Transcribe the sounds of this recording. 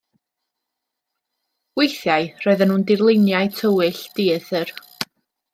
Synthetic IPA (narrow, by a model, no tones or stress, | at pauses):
wejθjaɨrɔɨðənhuːndɪrlˠɪnjaɨtʰəwɪɬd̥iːθər